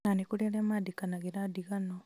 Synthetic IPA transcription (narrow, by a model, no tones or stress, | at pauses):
nanekuɾelemadikanaɡeɾadiɣano